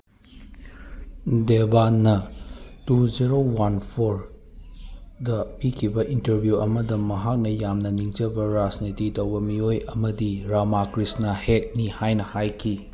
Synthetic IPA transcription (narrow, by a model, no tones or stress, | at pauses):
debanːɐtuziɾowanpʰoɾ | dɐpikʰibɐʔintɐɾbʱjuɐmɐdɐmːɐɦak̚nɐjamnɐniŋd͡ʒɐbɐɾad͡ʒnititɐwbɐmiojɐmɐdiɾamakɾisnɐhek̚nihajnɐhajkʰi